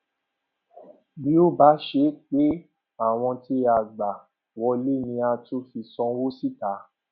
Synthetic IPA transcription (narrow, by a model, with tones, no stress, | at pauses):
bi˨˦o˦ba˨˦ʃe˧˦k͡pe˦ | a˦˨w̃ɔ̃˧ti˧˦a˨ɡ͡ba˨ | wɔ˧le˦nĩ˧a˧to˦fi˧sɔ̃˧˦wo˦si˦˨ta˨˦